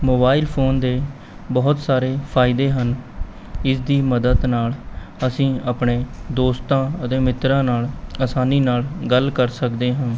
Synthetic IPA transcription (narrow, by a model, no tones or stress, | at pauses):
moːbaːɪlpʰoːnd̪eː | bɔːt̪saːɾeːpʰaːɪd̪eːɦən | ɪsd̪iːməd̪əd̪naːləsĩːaːpɳeːd̪oːst̪ãːət̪ẽːmɪt̪ɾãːnaːləsaːniːnaːlɡəlkəɾsəkd̪eːɦãː